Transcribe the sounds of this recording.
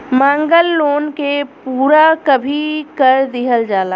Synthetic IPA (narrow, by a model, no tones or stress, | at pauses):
mãːŋɡəlːoːnkepuːɾakɐbʱikɐɾd̪ɪɦəld͡ʒaːlaː